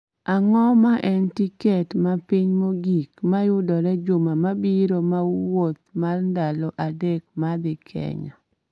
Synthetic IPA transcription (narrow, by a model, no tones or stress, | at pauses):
aŋɔmaʔɛntikɛtmapiɲmoɡikmajʊdɔɾɛd͡ʒʊmamabiɾomawot̪̚marndalɔʔadek̚mad̪ɪkʰɛ̰ɲɔ̰